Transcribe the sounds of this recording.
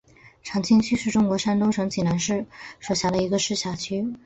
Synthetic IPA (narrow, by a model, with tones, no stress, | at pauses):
ʈ͡ʂʰɑ˧˥ŋt͡ɕʰi˥ŋt͡ɕʰy˥ʂɻ̩˥˩ʈ͡ʂʊ˥ŋkwɔ˧˥ʂa˥nt̪ʊ˥ŋʂɤ˧˥ŋt͡ɕi˨˩na˧˥nʂɻ̩˥˩ʂwɔ˨˩ɕja˧˥də˧i˧˥ɡə˧ʂɻ̩˥˩ɕja˧˥t͡ɕʰy˥